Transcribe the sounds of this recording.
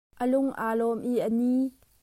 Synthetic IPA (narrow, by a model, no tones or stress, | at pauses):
ʔəlʊŋʔaːlɔmʔiʔəni